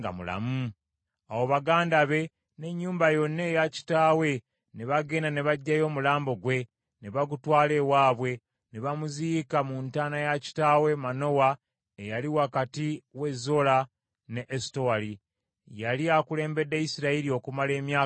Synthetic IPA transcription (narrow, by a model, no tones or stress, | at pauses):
ɡa̰mṵla̰mu | awo̞βaɡaːndaβe̞ | ne̞ɲːuːmbajo̞nːe̞jaci̥taːwe̞ | neβaɡeːnaneβaɟːajo̞ːmulaːmbo̞ɡwe̞ | neβaɡutwaːle̞waːβwe̞ | neβamuzikamuntaːnajaci̥taːwe̞mano̞wa | ejaliwakatiwe̞zo̞la | ne̞ʔːstoali | jaliakule̞ːmbe̞dːeisiɾaiɾio̞kumale̞ːmjaː